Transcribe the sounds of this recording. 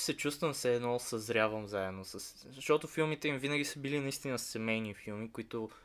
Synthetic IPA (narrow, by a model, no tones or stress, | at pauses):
sɛt͡ʃust̪vəmsɛːd̪nɔsɐzɾʲjavəmzaɛd̪nosəs | ʃt̪ɔt̪ʊfilˠmit̪ɛimvinəɡʲisəbilinɐist̪inəssɛmɛjnifilˠmikʊit̪ʊ